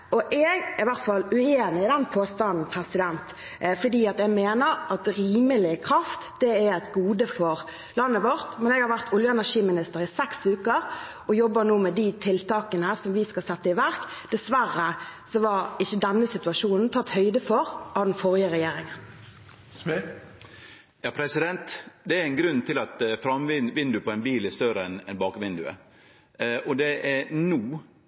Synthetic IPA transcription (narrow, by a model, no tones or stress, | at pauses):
ʔɔʔɛɡɪʋæɾt̪fɑlʉeːnɪɪd̪ɛnpʰoːst̪ɑnn̩pʰɾɛsɪd̪ɛnt̪ | fɔd̪iːɑt̪ɛɡmeːnəɾɑt̪ɾiːməlɪkʰɾɑft̪d̪ɛæɾɛt̪ɡuːd̪əfɔɾ | lɑnːəʋɔɾt̪mɛnɛɡhɑɾʋæɾt̪ʊljəɛnæʂiːmɪnɪst̪əɾɪsɛksʉːkəɾ | ʔɔjɔbːənuːmɛd̪ɪt̪ʰɪlt̪ɑːkənəæsɔmʋɪskɑsɛt̪ːəɪʋæɾkd̪̥ɛsʋærːəsɔʋɑɾɪçːəd̪ɛnːəsɪt̪ʉɑʂuːnn̩t̪ʰɑt̪ːhœʏd̪əfɔɾʔɑʋd̪ɛnfɔʁjəɾɛjeːɾɪŋən | jɑːpʰɾɛsɪd̪ɛnt̪d̪ɛæɾɛɪnɡɾʉnːt̪ʰɪlɑt̪fɾɑmʋɪʋɪnd̪ʉpʰɔɛɪnbiːlɛst̪œɾəɛnɛ̰nbɑːkʋɪnd̪ʉ̰ə̰ | ʔɔd̪ɛʔænuː